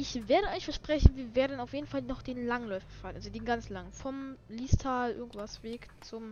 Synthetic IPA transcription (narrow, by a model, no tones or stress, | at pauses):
ʔɪçveːɐɾəɔʏçfɛɐʃpʁ̥ɛçn̩viːɐveːɐdn̩aʊfjeːdn̩falnɔχd̥eːnlaŋənlɔʏfɐ̥falənʔalzodeːnɡant͡slaŋənfɔmliːstʰaːlʔɪ̰ɐɡŋ̩tv̥asv̥eːkt͡sʊm